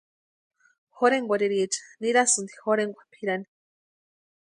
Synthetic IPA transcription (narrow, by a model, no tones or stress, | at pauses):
xoɾeŋɡʷaɾiɾit͡ʃḁniɾasɨnd̪i̥xoɾeŋɡʷḁpʰiɾani̥